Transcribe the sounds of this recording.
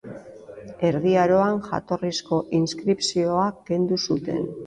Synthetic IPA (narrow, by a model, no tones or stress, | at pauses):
e̞ɾðiaɾo̞aŋʝa̰t̪o̞risko̞ʔinskɾipsio̞ake̞nd̪usut̪e̞̰n